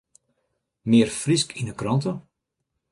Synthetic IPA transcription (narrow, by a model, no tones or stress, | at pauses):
mɪːərfriskʰinəkrɔntə